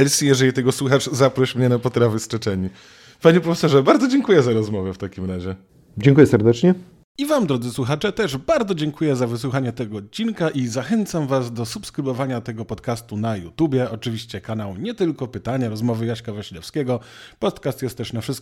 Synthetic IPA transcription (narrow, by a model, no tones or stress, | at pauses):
ɛlsʲijɛʐɛlʲit̪ɛɡɔswuxaʐzapɾɔɕmɲɛnapɔt̪ɾavɘst͡ʂɛt͡ʂɛɲi | paɲɛpɾɔfɛsɔʐɛbaɾd̪zɔd͡ʑɛŋkujɛzaɾɔzmɔvɛft̪akʲimɾaʑɛ | d͡ʑɛŋkujɛsɛɾd̪ɛt͡ʂɲɛ | ivamd̪ɾɔd̪zɘswuxat͡ʂɛt̪ɛʐbaɾd̪zɔd͡ʑɛŋkujɛzavɘswuxaɲɛt̪ɛɡɔːt̪̚t͡ɕinkaʔizaxɛnt̪samvazd̪ɔsupskɾɘbɔvaɲat̪ɛɡɔpɔt̪kast̪unajṵt̪ubʲjɛʔɔt͡ʂɘvʲiɕt͡ɕɛkanawɲɛt̪ɘlkɔpɘt̪aɲaɾɔzmɔvɘjaɕkavaɕilɛfskʲɛɡɔ | pɔt̪kast̪jɛst̪ːɛʂnafʂɘst̪k